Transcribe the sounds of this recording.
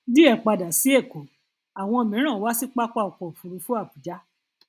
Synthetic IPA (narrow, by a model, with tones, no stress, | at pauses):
di˦ɛ˦˨k͡pa˧da˨si˨˦e˦˨ko˨˦ | a˨w̃ɔ̃˧o˧˨mĩ˨˦ɾ̃ã˦˨wa˨˦si˦k͡pa˦k͡pa˦˨ɔ˨k͡pɔ˨fu˧ɾu˧fu˦a˦˨bu˨d͡ʒa˦